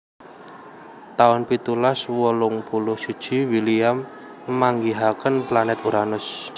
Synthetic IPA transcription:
t̪aʊnpit̪ulaswɔlʊŋpulʊhsid̥ʒ̥i̤wiliam | maŋɡiɦakənplanɛt̪uɾanʊs

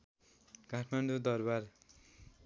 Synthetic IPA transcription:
kaʈʰmaɳɖud̪ʌrbar

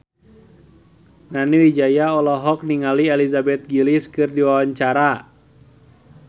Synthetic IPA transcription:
naniwid͡ʒajaɔlɔɦɔk̚niŋaliɛlizabɛt̪̚ɡiliskɨrdiwawaɲt͡ʃaɾa

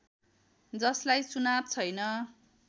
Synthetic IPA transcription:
d͡zʌslajt͡sunab̚t͡sʰʌjnʌ

